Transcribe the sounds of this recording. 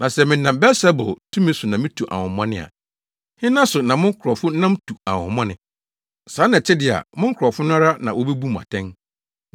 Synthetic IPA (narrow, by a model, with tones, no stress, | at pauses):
nã˨sɛ˨mɪ̃˨˦nã˨mbɛ˦sɛ˦bʊ̰˨tʰũ˦mĩ˦sʊ˨nã˨mɪ̃˦tʰu˨ʔa̰˨hʊ̃˨mɔ̃˦nɪ̃˦a̰˨ | hɪ̃˦nã˦sʊ˨nã˨mʊ̃˦ŋ˦kʰɾɔ˨fʊ˦nã˦m˦tʰu˨a˨hʊ̰̃˨mɔ̃˦nɪ̃˨ | saː˨˦nã˨t͡ɕʰɛ˦dɪ˨a̰˨mʊ̃˦ŋ̩˦kʰʊ˨ɾɔ˨fʊ˦nʊ̃˦a˦ɾa˦nã̰˨wo˦be˦bu˦m˨a̰˨tʰɛ̃˦n